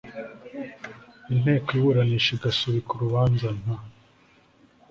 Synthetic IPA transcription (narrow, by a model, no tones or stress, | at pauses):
in̥e̞ːkoiβuɾaniʃeɡasuβikuɾuβaːnzan̥a